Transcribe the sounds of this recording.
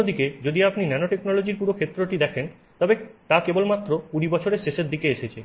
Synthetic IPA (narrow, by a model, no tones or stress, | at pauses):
od̪iked͡ʑod̪iapninɛnoʈeknɔlod͡ʑiɾpuɾokʰet̪ːɾoʈid̪ɛkʰen | t̪ɔbet̪akebolmat̪ːɾopuɾibɔt͡ɕʰoɾeɾʃeʃeɾd̪ikeeʃet͡ɕʰe